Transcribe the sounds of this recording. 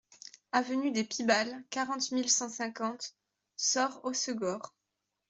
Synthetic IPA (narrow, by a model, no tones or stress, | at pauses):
avənyd̪epibalkaʁɑ̃t̪milsɑ̃sɛ̃kɑ̃t̪ | sɔʁosəɡɔʁ